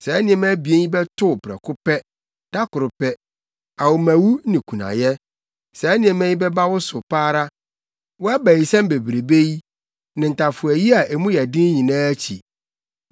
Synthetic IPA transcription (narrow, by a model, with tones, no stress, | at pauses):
sɛ˨ɛ˦nɪ̃˦ɛ˦m˦æ˦bi˨e˦ɲĩ˦bɛ˦tʰʊ˦˨pʰɾɛ̰˨kʰʊ˦pɛ˦ | d̥a˦kʊ˨ɾʊ˨pɛ˦ | a˨wʊ˨mæ̃˨wu˦nɪ̃˨kʰu˨nã̰˨jɛ˦ | sɛ˨ɛ˦nɪ̃˦ɛ̃˨mɛ̃˦ɲĩ˦bɛ˦ba˦wʊ˦sʊ˨paː˦ɾa˦ | wɔ˦a˦bæ˨ji˨sɛ̃˦m˦be˨bɾe˨be˦ji˦ | nɪ̃˨n̩˨ta˨fʊ˨æ˨ji˦a˨ʔe˨mũ˦jɛ˨dɪ̃˦n˦ɲĩ˨nãː˦æ˦t͡ɕʰḭ˨